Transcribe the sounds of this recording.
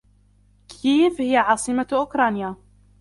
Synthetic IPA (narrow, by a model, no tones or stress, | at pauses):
kʰiːfhɪjaʕɑːsˤɨmaʔʊkɾˤɑːnja